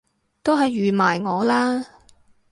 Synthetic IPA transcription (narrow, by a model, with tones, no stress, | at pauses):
t̪o˥wɦɐ˨jːyː˨maː˨˩jŋɔː˨˧laː˥